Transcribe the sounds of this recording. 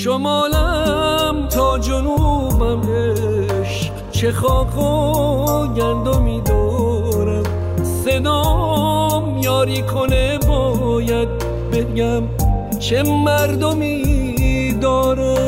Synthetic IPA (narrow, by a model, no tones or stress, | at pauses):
ʃomɒːlæ | mt̪ʰɒːd͡ʒonubæme | ʃ | t͡ʃʰexɒːkʰo | ɟænd̪omiːd̪ɒː | ɾæm | sed̪ɔː | mjɒːɾiːkʰonebɒː | jæd̪̚ | beɡæm | t͡ʃʰemæɾd̪omi | d̪ɒːɾe